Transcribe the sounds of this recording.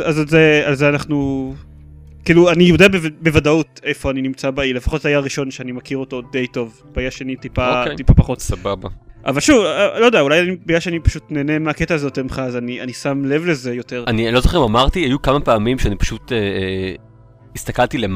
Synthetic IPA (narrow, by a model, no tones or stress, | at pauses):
azalzealzeanaχnu | kiːluanijod̪eabevbevadautejfo̞aninimt͡sabailefaχotzajaʁiʃo̞nʃeanimakiʁo̞to̞de̞jto̞v | b̥aiaʃenitipatipapaχo̞t̪sababaʔa̰valʃuvlo̞d̪eaulajanibajaʃeanipḁʃutneːnemeaketaːzo̞t̪amχazanianisamle̞vle̞ze̞jo̞te̞ʁanilo̞zoχeimamaʁt̪iajukamapeamimʃeanipḁʃute | ist̪akalt̪ilem